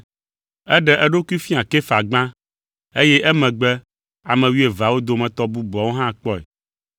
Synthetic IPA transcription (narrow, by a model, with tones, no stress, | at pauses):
ɛ˦ɖɛ˨ʔɛ˦ɖo˦ku˦i˦fĩ˦a˨kɛ˦fa˨ɡ͡bã˦ | e˦jɛ˦ʔɛ˦mɛ̃˨ɡ͡bɛ˦ | a˨mɛ̃˨wi˦e˨va˨wo˦d̪o˨mɛ̃˨t̪ɔ˦bu˦ɡ͡bɔ˨wo˦ɦã˦˨k͡pɔ˦ɛ̰˨